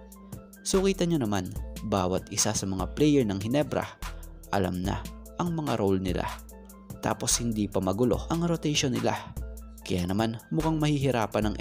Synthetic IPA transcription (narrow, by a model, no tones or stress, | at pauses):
sʊkiːt̪ɐɲonɐmanbaːwɐt̪ɪsasɐmɐŋa̰plɛjɛɹnɐŋɦɪnɛbɾɐ̰ | ʔɐla̰mnɐ̰ | ʔɐŋmɐŋaɾowlnɪlʔa̰ | t̪a̰ːpo̞shɪnd̪ipɐmɐɡʊlo̞̰ʔɐŋɾot̪ɛjʃonːɪla̰ | kɐjaːnɐmanmʊkaŋmɐhiɦɪɾa̰ːpɐnɐŋʔ